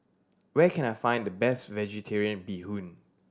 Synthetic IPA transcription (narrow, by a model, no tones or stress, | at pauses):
wɛkʰɛ̃najfãɪ̃ndəbɛstvɛd͡ʒitʰɛɹiə̃nbihũn